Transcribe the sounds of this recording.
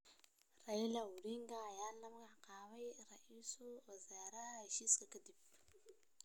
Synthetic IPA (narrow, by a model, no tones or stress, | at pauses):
railauɽiŋɡajalamɡaqawajɾaʔisuwazaɾaɾaʃiskakadib̚